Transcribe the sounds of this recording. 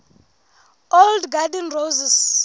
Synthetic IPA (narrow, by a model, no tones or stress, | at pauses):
oldɡadɛnrozɛs